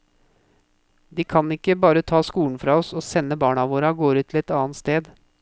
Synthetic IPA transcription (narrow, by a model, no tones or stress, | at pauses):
d̪iːkʰɑnɪkːəbɑːɾət̪ʰɑːskuːn̩fɾɑːɔsoːsɛnːəbɑːɳɑʋoːɾɑɡoːɾʉːt̪ʰl̩ɛt̪ɑːnt̪st̪eːd̪